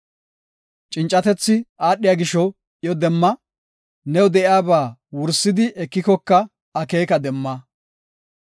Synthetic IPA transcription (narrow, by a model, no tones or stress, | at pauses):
t͡ʃʼɪnt͡ʃʼːɐt̪ɛt͡sːɪʔaːɗːɪjaːɡɪʃɔ | ʔɪjɔd̪ɛmːɐ | nɛwd̪ɛʔɪaːbaːwʊɾsːɪd̪ɪʔɛkːɪkɔkːɐ | ɐke̞ːkɐd̪ɛmːaː